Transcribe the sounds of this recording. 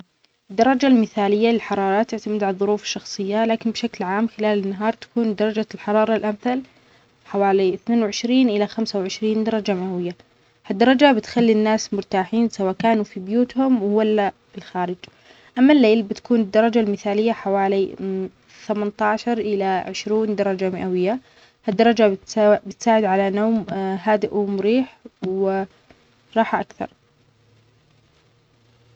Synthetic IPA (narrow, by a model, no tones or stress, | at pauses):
ɪd̪ːɑɾˤɑd͡ʒalmɪθaːlɪjːalɪlħɑɾˤɑːɾˤɑt̪ːɪʕt̪amɪd̪ʕalðˤʊɾuːfɪ̥ʃːɑxsˤɨjːalaːkɪnbʃaklʕaːmxɪlaːlɪnːaɦɑːɾˤt̪ḁkuːnd̪ɑɾˤɑd͡ʒalħɑɾˤɑːɾˤɑlʔamθal | ħawaːliɪθneːnwʕɪʃɾiːnʔɪlaxamsawʕɪʃɾiːnd̪ɑɾˤɑd͡ʒamawɪjːa | had̪ːɑɾˤɑd͡ʒabɪt̪xalːinːaːsmʊɾt̪aːħiːnsawaːʔkaːnufibjuːt̪hʊmwwalːa | ɪlxaːɾɪd͡ʒ | ʔamːalːeːlbɪt̪ḁkuːnɪd̪ːɑɾˤɑd͡ʒalmɪθaːlɪjːaħawaːli | θamant̪ɑːʃɑɾˤʔɪlaʕɪʃɾuːnd̪ɑɾˤɑd͡ʒamɪʔawɪjːa | had̪ːɑɾˤɑd͡ʒat̪ːbɪt̪saːʕɪd̪ʕalanoːmɦaːd̪ɪʔumʊɾiːħwɪ | ɾˤɑːħʔakθɑ̰ɾˤ